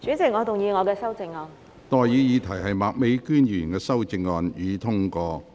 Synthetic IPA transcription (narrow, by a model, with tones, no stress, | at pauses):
t͡ʃyː˨˥t͡sɪ˨k̚ŋɔː˨˧t̪ʊ˨ŋjiː˨˧ŋɔː˨˧kɛː˧sɐ˥wt͡sɪ˧ŋːɔː˧n | t̪ɔː˨˧jjiː˨˧jiː˨˧t̪ʰɐ˨˩jɦɐ˨jmaː˨k̚me˨˥jkyː˥njyː˨˩nkɛː˧sɐ˥wt͡sɪ˧ŋːɔː˧njiː˨˧t̪ʰʊ˥ŋkɔː˧